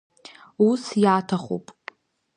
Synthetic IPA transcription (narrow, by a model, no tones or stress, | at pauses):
usjaːtʰaχo̰pʼ